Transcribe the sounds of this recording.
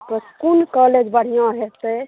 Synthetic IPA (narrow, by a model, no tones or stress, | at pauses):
pɾəskunkɔled͡ʒbəɽ̤ijãɦet̪e